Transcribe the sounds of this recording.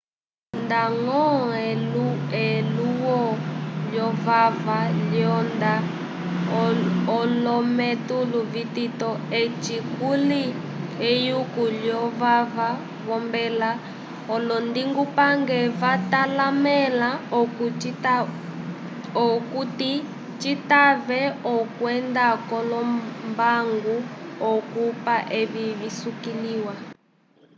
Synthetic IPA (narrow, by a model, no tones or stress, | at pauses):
ndaŋɔɛluɛluwɔljɔvavaljɔnda | ɔlɔmɛtuluvititɔet͡ʃikuli | ejukulɔvava | βɔmbɛla | ɔlɔndiŋɡupaŋɡɛvatalamɛla | ɔkuti | t͡ʃitavɛɔkwɛndakɔlɔmbaŋɡuɔkupaʔeβiβisukiliwa